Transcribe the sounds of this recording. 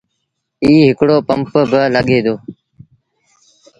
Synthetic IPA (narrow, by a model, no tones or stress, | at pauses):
iːɦɪkɽoːpəmpbələɠeːd̪oː